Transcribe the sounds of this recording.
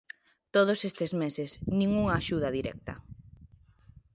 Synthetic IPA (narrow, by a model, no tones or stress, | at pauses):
t̪oð̞osest̪ezmesesnĩŋuŋɐːʃuð̞ɐðiɾɛ̰k̚t̪ɐ̰